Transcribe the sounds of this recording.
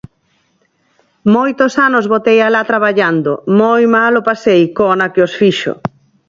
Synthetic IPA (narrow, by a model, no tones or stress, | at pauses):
mojt̪osanozβot̪ejalat̪ɾaβaʎand̪omojmalopasejkonakɪosfiʃo̰